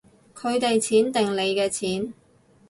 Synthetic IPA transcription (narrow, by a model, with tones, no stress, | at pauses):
kʰɵ˨˧ɥt̪e˨jt͡sʰiː˨˥nt̪ɪ˨ŋle˨˧jkɛː˧t͡sʰiː˨˥n